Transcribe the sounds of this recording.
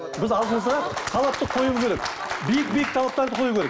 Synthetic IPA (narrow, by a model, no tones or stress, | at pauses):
bɪzɑlˠd̪əɴəzʁɑt̪ʰɑlˠɑp̚t̪əqʰo̞juzkʲʰeɾek̚ | bijɪk̚bijɪk̚t̪ʰɑlˠɑp̚t̪ɑɾd̪əqʰojukʰʲeɾek̚